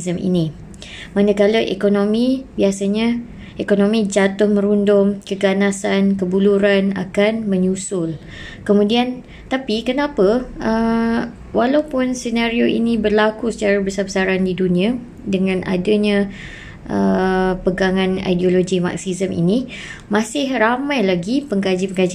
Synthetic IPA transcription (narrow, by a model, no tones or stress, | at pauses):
zəmʔḭnĩ | manəkaləʔḛkonõmĩbiasaɲã | ʔekonõmĩd͡ʒat̪ʊhmə̃ɾundʊmkəɡanasankəbuluɾana̰kanmə̃ɲusʊl | kəmũdian | t̪apikənãpəə | walawpʊnsənaɾioʔḭnĩbərlakusə̥t͡ʃaɾabəsabəsaɾandidunĩa | dəŋãnʔa̰dəɲã | ʔəpəɡaŋãna̰jdioloɡima̰k̚sizəmḭnĩ | mãsɪhramãjlaɡipəŋɡad͡ʒipəŋɡad͡ʒi